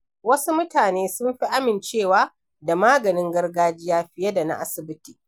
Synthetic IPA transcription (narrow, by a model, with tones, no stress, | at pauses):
wɐ˦su˦mʊ˦taː˨neː˦sʊ˦mɸi˦ʔa˦mɪ˨nt͡ʃeː˦˨waː˦ | da˨maː˦ɡɐ˨nɪ˦ŋɡɐ˦rɡaː˦d͡ʒɪ˦jaː˦ɸɪ˨jɐ˦da˨na̰˦ʔa˦sɪ˨bɪ˦tiː˨